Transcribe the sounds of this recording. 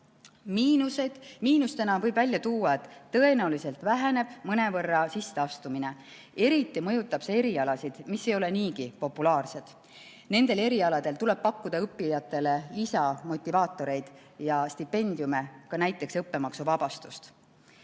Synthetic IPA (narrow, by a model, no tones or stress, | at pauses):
miːnused̪̥miːnust̪e̞nɑvɤjbvælʲjɑt̪uːwːɑe̞t̪ːtːɤe̞næulise̞lt̪ˑvæɦene̞b̥mɤne̞vɤrːɑsisːeɑst̪umine̞ | e̞ɾit̪ːˑimɤ̞jut̪ːˑɑb̥se̞e̞ɾiɑlɑsid̪̥misːe̞jo̞le̞niːɡipo̞pːulɑːrse̞d̪̥ | ne̞nd̪e̞le̞ɾiɑlɑd̪̥e̞lt̪ule̞b̥̚pɑkːud̪ɑɤpːijɑt̪ːˑe̞le̞lisɑmo̞t̪ʲːˑivɑːt̪ːˑo̞ɾe̞jd̪̥ | jɑst̪ipːe̞nʲd̪̥jume̞kɑnæjt̪ːˑe̞ksɤpːe̞mɑksuvɑb̥ɑst̪ust̪